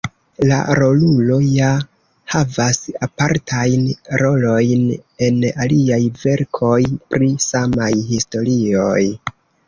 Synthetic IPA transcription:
la̰ɾo̞lulo̞ja | havasapaɾtʰajnɾo̞lo̞jne̞naliajve̞ɾkʰo̞jpɾisamajhisto̞ɾio̞j

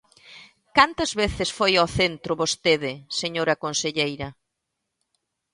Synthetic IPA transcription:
kant̪ɐzβeθɪsfojoθent̪ɾʊβost̪eðɪseɲoɾɐkonseʎejɾɐ

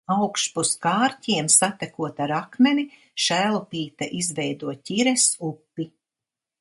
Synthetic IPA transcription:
awkʃpuskaːɾtʲiɛmsat̪ɛkuɔt̪aɾakmɛni | ʃæːlˠupiːt̪aʔizvɛjd̪uɔtʲiɾɛsupːi

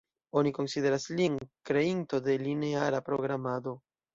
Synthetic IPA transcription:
o̞niko̞nside̞ɾaslinkɾe̞into̞de̞line̞aɾapɾo̞ɡɾamado̞

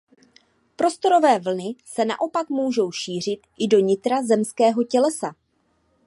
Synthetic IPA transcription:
pɾo̞st̪o̞ɾo̞vɛːvl̩nɪsɛna̰ʔo̞pakmuːʒo̞wʃiːr̝ɪt̪ʔɪdo̞ɲɪt̪ɾazɛmskɛːɦo̞cɛlɛsa

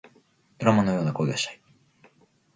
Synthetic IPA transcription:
d̪ɾamano̞joːnako̞id̪aɕt̪ḁi

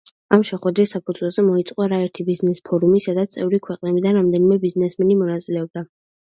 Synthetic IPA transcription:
amʃɛχwɛd̪ɾisːapʰud̪zwɛlˠz̥ɛmɔit̪sʼqʼwaɾaɛɾt̪ʰibiznɛspʰɔɾumisad̪at̪st̪ʼɛvɾikʰwɛqʼnɛbid̪anɾamd̪ɛnimɛbiznɛsmɛnimɔnat̪sʼilɛɔb̚d̪a

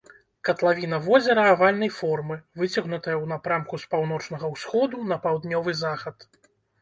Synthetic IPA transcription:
kɐt̪lˠavʲin̪ɐvɔzʲɛɾɐːvalʲnɐjfɔrmɨvɨt͡sʲɐɣnut̪ɐjɐwnɐpɾamkuspawn̪ɔt͡ʂnɐɣɐwsxɔd̪un̪ɐpawd̪nʲɔvɨzaxɐt̪

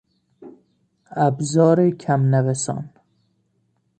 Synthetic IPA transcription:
æbzɒːɾekʰæmnævesɒ̰ːn

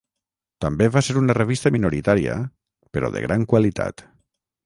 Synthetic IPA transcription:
t̪ambeβaseɾunəreβ̞ist̪əminuɾit̪aɾiə̰ | peɾɔ̰ðḛɣɾaŋkwalit̪a̰t̪

